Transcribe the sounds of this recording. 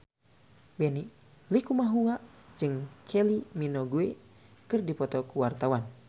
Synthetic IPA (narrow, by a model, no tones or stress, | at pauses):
bɛni | likumaɦuŋad͡ʒɨŋkʰɛliminɔɡue | kɨrdipɔt̪ɔkuwart̪awan